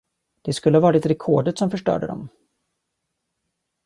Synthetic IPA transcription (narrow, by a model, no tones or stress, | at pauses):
d̪̥ɛskɵlːəhavɑːɾɪt̪ɾɛkʰoːɖət̪sɔmfœʂʈœ̰ːɖə̰d̪ɔ̰m